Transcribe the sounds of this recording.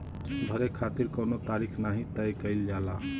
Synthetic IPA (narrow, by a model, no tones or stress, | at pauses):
b̪ʱəɾekʰat̪iɾkəwnot̪aɾikʰnaɦĩt̪əjkəɪld͡ʒala